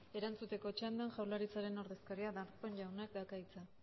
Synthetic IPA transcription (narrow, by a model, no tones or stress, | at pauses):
e̞ɾant͡sut̪e̞ko̞t͡ʃand̪anʝawlaɾit͡saɾe̞no̞ɾðe̞skaɾiaðaɾpo̞nʎawnakd̪akait͡sa